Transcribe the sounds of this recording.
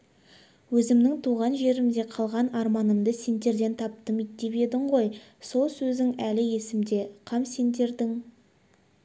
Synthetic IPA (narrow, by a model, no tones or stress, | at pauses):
wɵzɪmnɪŋt̪ʰuʁɑnʒe̞ɾɪmd̪e̞qʰɑlˠʁɑnɑɾmɑnəmd̪əse̞nd̪e̞ɾd̪e̞nt̪ʰɑp̚t̪əmijt̪̚d̪e̞βe̞d̪ɪɴʁo̞j | so̞lˠsɵzd̪ɪŋælɪje̞sɪmd̪e̞qʰɑmse̞nd̪e̞ɾd̪ɪŋ